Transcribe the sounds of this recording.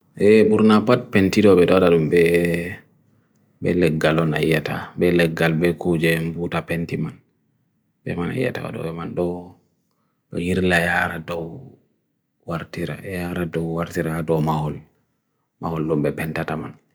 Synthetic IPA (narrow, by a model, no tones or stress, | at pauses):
ʔɛbuɾnapat̚pentidɔɓɛɗɔwaɗaɗumbɛ | bɛ̰lɛɡːalɔna̰ijːata̰bɛlɛɡːalbɛkud͡ʒɛmbutapentiman | bɛ̰mana̰ija̰ta̰wa̰ɗɔ̰ɓɛmanɗɔ | ɗɔ̰jiɾlajaɾadɔw | waɾtiɾa̰jaɾadɔwwaɾtiɾaadɔmahɔl | mahɔlɗɔmbɛpɛntataman